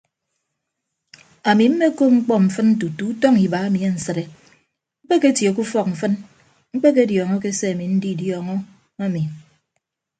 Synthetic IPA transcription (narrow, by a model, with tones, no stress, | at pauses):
a˨mi˨m̩˦me˦ko˦ŋ͡m̩˦k͡pɔ˦m̩˨fɨ˦nn̩˦t̬u˨tu˨˦u˦tɔ˦ŋi˨ba˨a˦mi˨e˦n̩˨sɨ˨ɾe˨ | ŋ͡m̩˦k͡pe˦ke˦tjo˨k̬u˦fɔ˦k̚m̩˨fɨ˦n | ŋ͡m̩˦k͡pe˦k̬e˦djɔ˨ŋɔ˦ke˦se˦a˨mi˨n̩˦di˦˨djɔ˨ŋɔ˦ | a˦mi˨